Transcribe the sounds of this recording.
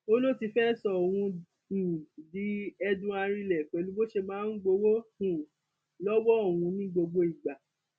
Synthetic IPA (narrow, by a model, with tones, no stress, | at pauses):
o˦lo˦˨ti˧fɛ˦sɔ˨o˨w̃ũ˧˨ | di˨˦ɛ˧dũ˧˦a˧ɾ̃ĩ˧lɛ˨k͡pɛ˨lu˨˦bo˦ʃe˧mãː˨˦n̩˦ɡ͡bo˧wo˦hũ˨ | lɔ˦wɔ˦˨wũ˧nĩ˦ɡ͡bo˧ɡ͡bo˧i˨ɡ͡ba˨